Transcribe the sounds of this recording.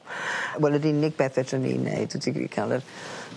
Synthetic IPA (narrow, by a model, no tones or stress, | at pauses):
wɛlədinɪɡ̚b̥ɛθɛtʰənḭnḛɨd̥ətʰiɡḭkʰalˠər